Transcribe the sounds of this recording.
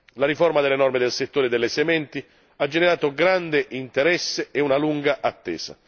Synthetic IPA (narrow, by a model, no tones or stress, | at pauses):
laɾiformad̪elːenɔrmed̪elset̪ːoːɾed̪elːesemɛnt̪i | ad͡ʒːeneɾaːt̪oɡɾand̪eʔint̪eɾɛsːeeunaluŋɡaʔat̪ːɛ̰ːsa̰